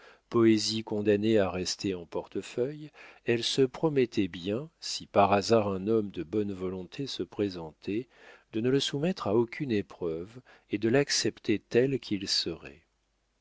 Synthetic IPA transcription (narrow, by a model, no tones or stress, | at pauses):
pɔezikɔ̃d̪aneaʁɛst̪eɑ̃pɔʁt̪əfœjɛlsəpχɔmɛt̪ʰɛbjɛ̃sipaʁazaʁɛ̃nɔmd̪əbɔnvɔlɔ̃t̪ʰesəpχezɑ̃t̪ʰɛ | d̪̥ənələsumɛt̪χaokʰʲynepχœv | ed̪əlaksɛpt̪et̪ɛlkʲʰilsəʁɛ̰